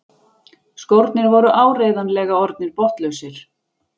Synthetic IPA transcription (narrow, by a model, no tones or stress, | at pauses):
skowɾt̪nɪɾvɔɾʏʔaːwreːjðanlɛːɣaɔɾt̪̚nɪɾpɔht̪lœɥsɪɾ̥